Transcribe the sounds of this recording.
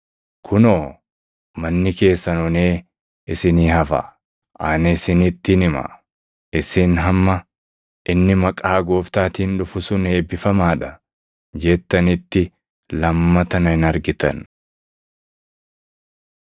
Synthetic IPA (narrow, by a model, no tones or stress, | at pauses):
kʰʊnoː | mɐnːɪke̞ːsːɐnɔneː | ɪsɪniːɦɐfɐ̰ | ʔaːnɐsɪnɪt̪ːɪnɪmɐ̰ | ʔɪsɪnɦɐmːɐ | ʔɪnːɪmɐkʼaːɡoːft̪aːt̪iːnᶑʊfʊsʊne̞ːbɪfɐmaːᶑɐ | d͡ʒɛt̪ːɐnɪt̪ːɪ | lɐmːɐt̪ɐnɐhɪnɐɾɡɪt̪ɐ̰n